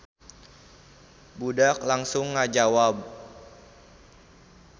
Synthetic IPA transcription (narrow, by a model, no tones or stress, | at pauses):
budak̚laŋsʊŋːad͡ʒawab